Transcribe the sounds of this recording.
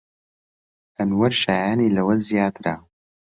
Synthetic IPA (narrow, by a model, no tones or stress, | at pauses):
ʔɐnwɐɾʃaːjaːniːlɐwɐzijaːt̪ɨɾa